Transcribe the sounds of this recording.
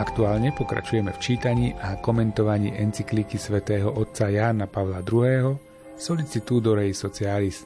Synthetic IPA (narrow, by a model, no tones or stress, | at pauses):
akt̪uaːlɲɛpɔkɾa̰t͡ʃujɛmɛft͡ʃiːt̪aɲiːʔakɔmɛnt̪ɔʋaɲḭːʔɛnt͡siklikisʋɛt̪ɛːɦɔʔɔt̪̚t͡sajaːnapaʋlad̪ɾuɦɛːɦɔ | sɔlit͡sit̪uːd̪ɔɾɛjsɔt͡sialist̪